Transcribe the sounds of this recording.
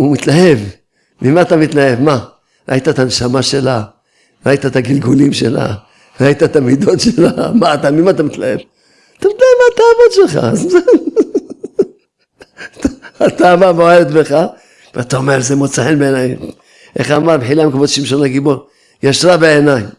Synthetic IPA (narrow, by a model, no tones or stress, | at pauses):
umit̪laɦe̞v | mimat̪amit̪lahe̞vma | ɾa̰jt̪at̪anʃamaʃe̞la | ʁaijt̪at̪aɡilɡulimʃe̞̰la̰ | ʁait̪at̪amid̪o̞t̪ʃelamat̪amimat̪amit̪lahe̞v | at̪amit̪laevmaat̪aːvotʃelχa̰zz | taat̪abavoevet̪beχa | veat̪aomeɾzemot͡saħenbeenaj | ʔeχamabeħilamekabot̪ʃimʃo̞naɡibo̞ɾ | jaʃʁabeenaj